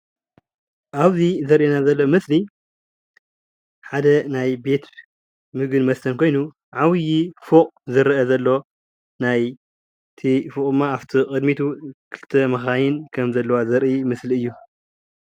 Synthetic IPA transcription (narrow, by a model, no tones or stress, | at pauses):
ʔaβzizɐɾʔinazɐlːomɨsli | ħad̪ɐnajbe̞t̪ | mɨɡɨnmɐst̪ʰɐnkʰo̞jnu | ʕawɨjifokʼzɨɾɐʔɐzɐlːo̞ | naj | t̪ʰifokʼɨmːaaβt̪ʰikʼɨd̪mit̪ʰukʰɨlɨt̪ʰɐmɐxajɪnkʰɐmzɐlːɐwazɐɾʔimɨsliɨjːu